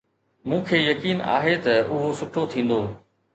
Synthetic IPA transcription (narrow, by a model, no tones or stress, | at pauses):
mũːkʰeːjɐkiːna̰ːɦet̪ɐʊɦosʊʈʰot̪ʰĩːn̆d̪oː